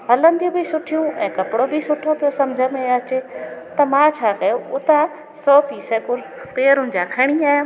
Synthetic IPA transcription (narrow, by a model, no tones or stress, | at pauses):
ɦɐlə̃nd̪ijũbʱisʊʈʰijũɛ̃ːkɐpɽobʱisʊʈʰopijosɐmd͡ʑʱəmẽɐt͡ɕet̪ɐmãːt͡ɕʰaːkɐjoʊt̪a | sɔːpiːsɛkʊɾ | peːɾʊ̃n̆d͡ʑakʰɐɽ̃iaːj̃